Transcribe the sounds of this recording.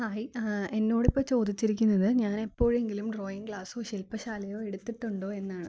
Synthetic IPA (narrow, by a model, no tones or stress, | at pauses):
haːje̞nːo̞ːɽipːɐt͡ɕo̞ːd̪it͡ɕːiɾikʲːunːɐðɨɲaːne̞pːo̞ːɻe̞ŋɡilumɖro̞ːjiŋɡɡɭaːsoːɕilpɐɕaːlɐjo̞ːeɽut̪ːiʈːuɳɖo̞ːe̞nːaːɳɨ̰